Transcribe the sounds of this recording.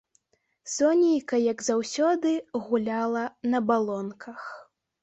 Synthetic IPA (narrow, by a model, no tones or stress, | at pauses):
sɔnʲijkɐjɐɡzawsʲɔd̪ɨɣulʲalˠɐnɐbalˠɔnkʰɐx